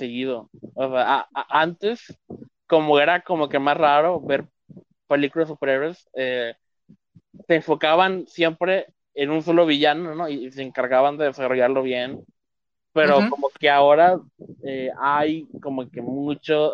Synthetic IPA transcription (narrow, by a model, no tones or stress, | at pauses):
seɣiðo̞oseaaaʔant̪e̞s | ko̞mo̞e̞ɾako̞mo̞ke̞masraɾo̞βe̞ɾ | pe̞likulas̬upe̞ɾeβese | se̞ːɱfo̞kaβansje̞mpɾe̞ | enuns̬o̞lo̞βiʝano̞no̞ise̞ːŋkaɾɣaβand̪e̞ðesaro̞ʝaɾlo̞βje̞n | pe̞ɾo̞komoke̞ao̞ɾa | eajko̞mo̞ke̞mut͡ʃo